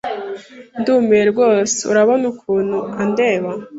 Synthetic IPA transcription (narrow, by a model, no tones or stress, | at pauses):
nduːmeɾɾɡo̞ːse̥ṵɾaβonukʰuːn̥huande̞ːβa